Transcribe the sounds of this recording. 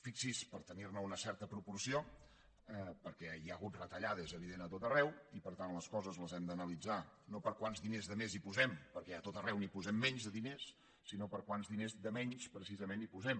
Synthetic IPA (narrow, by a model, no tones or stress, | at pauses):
fiksispəɾt̪ənirnəunəsɛɾt̪əpɾupuɾsio | ɛpəɾkɛjaəɣut̪rət̪əʎaðəzəβ̞iðenət̪ot̪ərɛwipəɾt̪anləskɔzəzləzɛmd̪ənəlid͡zanopəɾkwanzðinezðəmezipuzɛmpəɾkɛət̪ot̪ərɛwnipuzɛmːɛɲzðəðinesː | inopəɾkwanzðinezd̪əmɛɲspɾəsizəmenipuzɛm